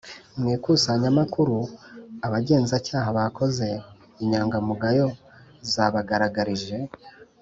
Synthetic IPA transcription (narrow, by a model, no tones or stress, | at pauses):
mŋiːkusaɲamakuɾuaβaɟe̞ːnzacaːɦaβakʰo̞ze̞ | iɲaːŋɡamuɡajo̞ | zaβaɡaɾaɡaɾiʒe̞